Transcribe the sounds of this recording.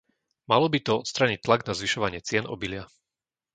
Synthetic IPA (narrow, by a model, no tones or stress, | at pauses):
malɔbit̪ɔɔt̪st̪ɾaɲic̚t̪laɡnazʋiʃɔʋaɲɪɛt͡sɪɛnɔ̰bilɪa